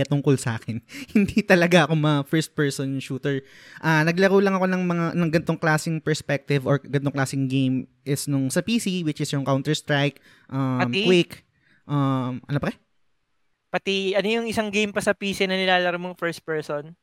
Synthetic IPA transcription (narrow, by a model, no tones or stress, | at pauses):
ɐt̪ʊŋkolsaːkɛnhɪnd̪it̪ɐlɐɡaʔɐko̞mɐfɛɹst̪̚pɛɹsonʃuːt̪ɛɹ | ʔaːnɐɡ̚lɐɾoːlɐŋɐko̞nɐŋmɐŋanɐŋɡɐnt̪o̞ŋklaːsɪŋpɛɹspɛk̚t̪ɪvoɹɡɐnt̪oŋklaːsɪŋɡejmʔɪsnʊŋsɐpiːsiwɪt͡ʃɪsjʊŋkawnt̪ɛɹst̪ɹajk̚ | ʔɐɐmkwik | ʔɐmʔɐ̰nopɐkɛ | pɐt̪iɐnojʊŋʔɪsaŋɡejmpɐsɐpiːsinɐnɪlaːlɐɾɐmoŋfɛɹst̪̚pɛɹson